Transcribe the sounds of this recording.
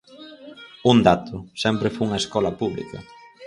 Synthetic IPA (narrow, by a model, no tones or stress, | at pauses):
und̪at̪ʊsɛmpɾɪfuuŋɐeskɔlɐpuβlḭkɐ̰